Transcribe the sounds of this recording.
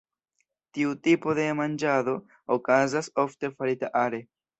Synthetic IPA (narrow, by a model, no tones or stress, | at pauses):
tiutipo̞de̞mand͡ʒado̞ | okazaso̞fte̞faɾitaʔaɾe̞